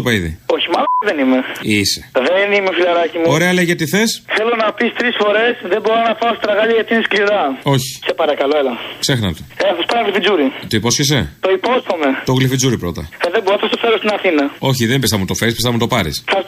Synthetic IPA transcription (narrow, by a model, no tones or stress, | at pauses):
opɐiðḭoçimɐloðe̞nime̞ise̥ðenimefilɐɾɐcimuoɾe̞ɐleʝɐt̪iθe̞sθe̞lonɐpist̪ɾisfo̞ɾe̞sðemboɾonɐpaost̪ɾɐɣɐʎɐʝɐt̪iniskliɾɐo̞çi̥se̞pɐɾɐkɐlo̞elɐkse̞xnɐ̰t̪eelɐθɐspɐnɐɣlifid͡zuɾit̪oipo̞sçes̬e̞t̪o̞ipost̪ome̞t̪oɣlifid͡zuɾipɾo̞t̪ɐ̰eðemboɾoθɐst̪ofeɾost̪inɐθinɐo̞çiðenbest̪ɐmut̪o̞feispesɐmut̪opɐɾḭsθɐs